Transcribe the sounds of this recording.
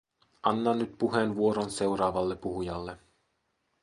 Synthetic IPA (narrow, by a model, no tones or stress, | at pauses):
ʔɑnːɑnːyt̪̚puɦenʋuoɾonse̞wɾɑːʋɑlːepːuɦujɑlːe